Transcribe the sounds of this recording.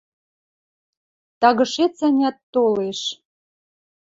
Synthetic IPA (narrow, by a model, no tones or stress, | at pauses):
t̪ɑɣə̆ʃet͡sænʲɑt̪ːoleʃ